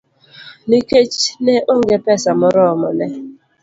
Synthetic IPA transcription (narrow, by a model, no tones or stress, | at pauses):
niket͡ʃnɛʔoŋɡepɛsamɔɾɔmɔnɛ